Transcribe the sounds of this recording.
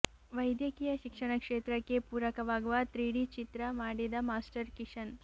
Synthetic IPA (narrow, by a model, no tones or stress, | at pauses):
ʋɐjd̪jɐkijɐʃikʂɐɳɐkʂeːt̪ɾɐkːepuːɾɐkɐʋaːɡuʋat̪ɾiːɽit͡ʃit̪ɾɐmaːɽid̪ɐmaːsʈɐɾkiʂɐn